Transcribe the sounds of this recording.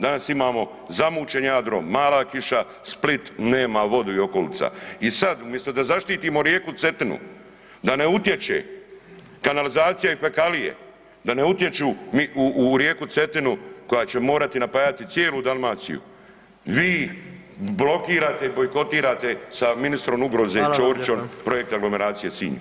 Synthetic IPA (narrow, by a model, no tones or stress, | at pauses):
d̪anasimaːmo̞ | zamuːt͡ʃe̞ɲad̪ɾo̰ːmmaːlaːkiʃa | split̪neːmaʋo̞d̪uio̞kolḭt̪sa̰isad̪umje̞st̪od̪azaʃt̪iːt̪imoɾje̞ːkut̪se̞t̪inṵ | d̪ane̞ut̪je̞t͡ʃḛ | kanalizaːt̪sijaifekalijḛ | d̪ane̞ut̪je̞t͡ʃuːmiuːɾjeːkut̪se̞t̪inuko̞jaːt͡ɕe̞mo̞ːɾat̪inapajat̪it̪sʲje̞ːlud̪almaːt̪sḭjṵ | ʋiː | blo̞kiːɾaːt̪e̞ibojko̞t̪iːɾaːt̪e̞saminist̪ɾo̞muɡɾo̞ːzet͡ʃo̞ːɾit͡ʃo̞mpɾo̞jek̚t̪aɡlo̞me̞ɾaːt̪sije̞sḭːɲṵ